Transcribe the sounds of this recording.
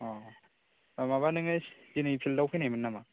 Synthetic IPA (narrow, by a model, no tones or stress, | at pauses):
ɔ | amaβanɯŋɯszinɯjpʰildawpʰɯjnajmɯnːama